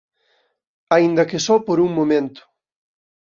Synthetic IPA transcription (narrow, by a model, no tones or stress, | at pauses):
aind̪ɐkɪsɔpoɾuŋmomẽnt̪ʊ̥